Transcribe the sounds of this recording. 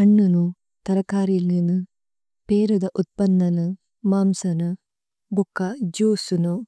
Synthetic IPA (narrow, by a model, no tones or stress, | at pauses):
ɐɳːunu | t̪ɐɾɐkaːɾilninɨ | peːɾud̪ɐʔut̪̚pɐnːɐnɨ | maːmsɐnɨ | bukːɐd͡ʒuːsunu